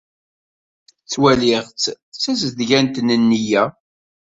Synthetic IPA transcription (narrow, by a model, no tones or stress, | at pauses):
t͡sːwælɪʁt͡sː | t͡sːæsəðʝænt̪nənːijæ